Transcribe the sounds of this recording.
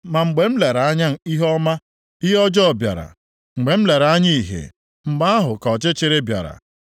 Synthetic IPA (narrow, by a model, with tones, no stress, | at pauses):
ma˨ŋ͡m̩˨ɡ͡be˨m̩˦le˨ɾa˨a˦ɲa˦n̩˨i˦ɦɔ˦ma˦ | i˦ɦɔ˦d͡ʒɔ˦˨bja̰˨ɾa̰˨ | ŋ͡m̩˨ɡ͡be˨m̩˦le˨ɾa˨a˦ɲi˦i˨ɦḛ˨ | m̩˨ɡ͡ba˦a˦ɦʊ˨kɔ˨t͡ʃɪ˦t͡ʃɪ˦ɾɪ˦bja̰˨ɾa̰˨